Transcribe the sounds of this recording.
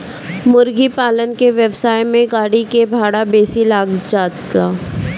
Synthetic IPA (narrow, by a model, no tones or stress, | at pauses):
mʊɾɡipaːlənkeʋjəʋsaːjmẽɡaːɽikebʱaːɽabeːsilaːɡd͡ʒaːt̪aː